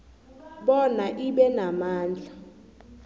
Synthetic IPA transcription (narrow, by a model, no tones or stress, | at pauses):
ɓɔnaʔiɓɛnamaːnd͡ɮʱa